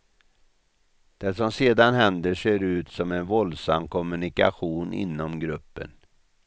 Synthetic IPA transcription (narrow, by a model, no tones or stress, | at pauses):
d̪̥ɛsɔmseːd̪anɦɛnd̪əʂeːɾʉ̟ːt̪sɔmɛnvɔld̪samːkʰɔmɵnɪkaɧuːnʔɪ̰nːɔmɡɾɵpːə̰n